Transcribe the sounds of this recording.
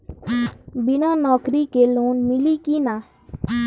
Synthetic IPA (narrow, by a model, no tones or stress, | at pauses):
bɪnaːnɔːkɾikeloːnmɪlikinaː